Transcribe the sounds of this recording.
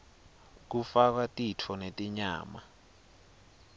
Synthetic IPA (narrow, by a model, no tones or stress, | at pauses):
k̬ufak̬watʼitʰɔnetʼiɲaːma̰